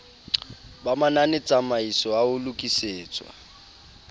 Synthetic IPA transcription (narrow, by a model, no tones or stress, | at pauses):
bamananɪt͡sʼamaisɔaʊlʊkʼiseːt͡sʼwa̰